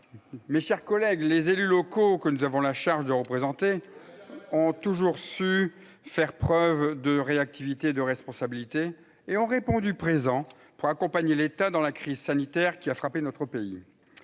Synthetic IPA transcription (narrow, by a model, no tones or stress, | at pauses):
meʃɛʁkɔlɛɡlezelylɔkokənuzavɔ̃laʃaʁʒd̪əʁəpχezɑ̃t̪e | ɔ̃t̪uʒuʁsy | fɛʁpχœvd̪əʁeak̚t̪ivit̪eːd̪əʁɛspɔ̃sabilit̪eː | ɔ̃ʁepɔ̃d̪ypχezɑ̃ | puʁakɔ̃paɲelet̪ad̪ɑ̃lakχizsanit̪ɛʁkʲiafχapenɔt̪χəpei